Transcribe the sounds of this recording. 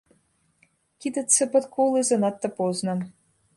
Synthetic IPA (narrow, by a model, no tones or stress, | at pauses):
kʲid̪ə̆t͡sːə̆pə̆t̪kʰolˠɨzɤ̆nɑt̪ːɤ̆poznɤ̆